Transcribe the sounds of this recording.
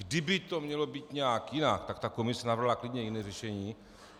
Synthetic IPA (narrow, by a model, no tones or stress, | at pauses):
ɡdɪbɪt̪o̞mɲɛlobiːt̪ɲɛakjɪnak̚t̪akt̪akomɪsɛnavr̩ɦlaklɪdɲɛjinɛːrɛʃɛɲiː